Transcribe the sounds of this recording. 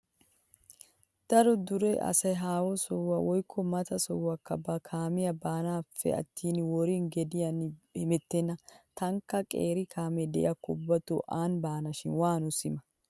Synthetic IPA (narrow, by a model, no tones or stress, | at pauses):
d̪̥ɐɾɔd̪ʊɾeʔɐ̰sɐjɦaːwɔsɔwːɐwɔjkʰːɔmɐt̪ɐsɔwːɐkːɐbɐkʰaːmɪjɐbaːnaːfːɛ̰ɐ̰t̪ːiːnɪwɔɾinɡɛd̪ɪjɐnhɪmɛt̪ːɛnːɐt̪ɐŋkːɐkʼḛːɾɪkʰaːmɛd̪ɛʔɪ̰ɐkʊbːɐt̪o̰ʔaːnbaːnɐʃɪnwaːnʊsɪmɐ